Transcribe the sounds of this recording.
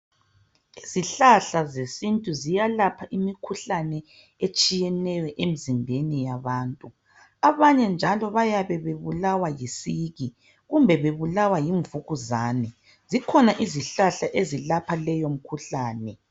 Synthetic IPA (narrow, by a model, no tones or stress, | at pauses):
iziɬaɬazesintʼuzijalapʰaʔimikʰuɬanɛ | et͡ʃʼijɛnɛjɔʔem̩zimbʱenijaβaːntʼu | aβaɲɛnd͡ʒʱalɔβajaβɛβeβulawajisiɣi | ɣumbʱɛβeβulawajiɱvuɣuzaːnɛ | zikʰɔnaʔiziɬaɬaʔezilapʰalɛjom̩kʰuɬaːnɛ